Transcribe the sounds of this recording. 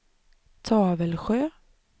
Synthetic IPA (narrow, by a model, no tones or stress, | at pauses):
t̪ʰɑːvəlɧøː